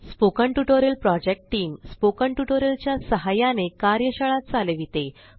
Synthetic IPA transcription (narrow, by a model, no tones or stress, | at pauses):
spokəɳʈuʈoɾəlpɾɔd͡ʑek̚ʈʈiːmspokəɳʈuʈoɾəlt͡ɕjasəɦajanekaɾjəɕəɭat̪̚t͡saleʋit̪e